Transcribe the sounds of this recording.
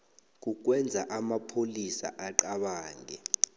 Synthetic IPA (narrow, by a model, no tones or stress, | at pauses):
k̬uk̬wɛnd͡zʱaʔamapʰolisa̰ʔaǃaɓaːŋʱɛ